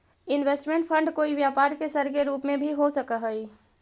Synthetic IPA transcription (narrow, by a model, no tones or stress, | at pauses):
ɪnʋeːsʈmẽɳʈpʰə̃ɳɖkoːiʋjaːpaːɾkesəɾkeɾuːpmẽbʱiɦosəkəɦəi